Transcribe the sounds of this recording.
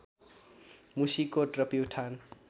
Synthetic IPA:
musikoʈrʌpiwʈʰan

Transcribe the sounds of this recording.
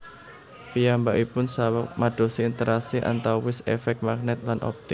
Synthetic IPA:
pijambaʔipʊnsawək̚maɖ̥o̤siint̪əɾʔasɪʔa̰nt̪awwɪsefɛk̚t̪̚mak̚nɛt̪̚lanʔɔ̰p̚t̪ɪk

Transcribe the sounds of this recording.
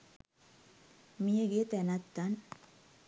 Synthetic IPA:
mieɡit̪enat̪ːan

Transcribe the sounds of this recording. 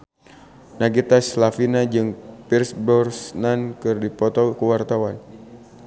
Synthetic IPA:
naɡit̪aslafinad͡ʒɨŋpirsbɔrsnankɨrdipɔt̪ɔkəwart̪awan

